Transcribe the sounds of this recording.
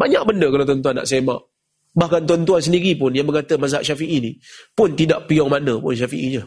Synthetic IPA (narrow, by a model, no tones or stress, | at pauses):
baɲak̚bəndəkalawt̪ɔnt̪̬uanːa̰ʔsema̰ʔ | bahkant̪̬uant̪uans̬əndiɾipʊnjaŋməŋkat̪əmas̬aʔʃafiʔinipʊnt̪idaʔpiɔŋmanəpʊnʃ̬afiʔiɲə